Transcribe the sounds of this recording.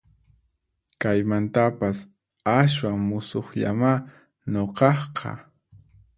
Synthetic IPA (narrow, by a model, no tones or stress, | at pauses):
kajmant̪apas | as̬waŋmʊsoχʎa̰ma | ɲoqɑχqʰɑ̰